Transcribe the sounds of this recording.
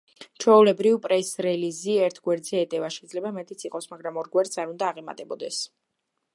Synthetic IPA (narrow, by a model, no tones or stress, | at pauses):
t͡ʃʰɔulɛbɾivpʼɾɛsɾɛliziɛɾt̪ʰɡwɛɾd̪zɛːt̪ʼɛvaʃɛid̪zlɛbamɛt̪ʼit̪sʰiqʼɔsmaɡɾamɔɾɡwɛɾt̪saɾund̪aːʁɛma̰t̪ʼɛbɔd̪ɛs